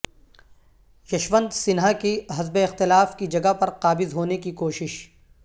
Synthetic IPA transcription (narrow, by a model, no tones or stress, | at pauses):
ʃɐʃʋə̃nd̪sɪnɦakeɦɐzbeɪxt̪ɪlaːfkid͡ʒɐɡapɐɾqaːbɪzɦoːnekikoːʃɪʃ